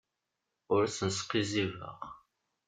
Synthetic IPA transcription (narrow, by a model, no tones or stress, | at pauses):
ʊɾæsənsqizivə̰ʁ